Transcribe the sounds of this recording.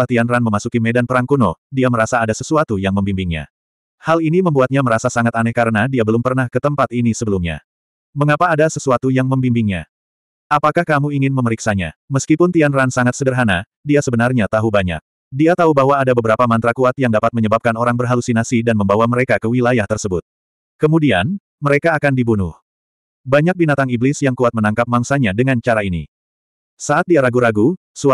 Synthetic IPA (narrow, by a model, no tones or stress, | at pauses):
at̪ianranməmasukimedanpəɾaŋkunodiaməɾasaːdasəsuat̪ujaŋməmbimbɪŋɲa̰ | haliniməmbuat̪̚ɲaməɾasasaŋat̪anɛkaɾənadiabəlʊmpərnahkət̪əmpat̪inisəbəlumɲa̰ | məŋapaːdasəsuat̪ujaŋməmbimbɪŋɲa̰ | apakahkamuiŋɪnməməɾiksaɲa̰məskipʊnt̪ianransaŋat̪̚sədərɦana | diasəbənarɲat̪aɦubaɲa̰k̚ | diat̪aubaɦwaːdabəbəɾapamant̪ɾakuat̪̚jaŋdapat̪̚məɲəbap̚kanoɾaŋbərɦalusinasidanməmbawaməɾekakəwilajaht̪ərsəbʊt̪̚ | kəmudian | məɾekaːkandibunʊh | baɲak̚binat̪aŋiblɪsjaŋkuat̪̚mənaŋkap̚maŋsaɲadəŋant͡ʃaɾainḭ | saat̪̚diaɾaɡuɾaɡu | su